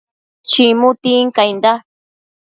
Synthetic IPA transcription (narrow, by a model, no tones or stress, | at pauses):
t͡ʃimut̪iŋkajnd̪a